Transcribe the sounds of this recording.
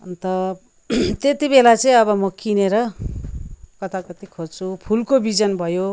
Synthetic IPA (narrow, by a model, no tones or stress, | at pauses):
ʌ̰nt̪ʌ | t̪et̪ibelat͡sʌĩʌbʌmʌkineɾʌ | kʌt̪akʌt̪ikʰod͡zt͡sʰupʰulkobid͡zʌnbʱʌjo